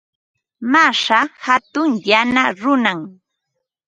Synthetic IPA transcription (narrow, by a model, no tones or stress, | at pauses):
maʂahat̪ʊŋjanaɾʊnaŋ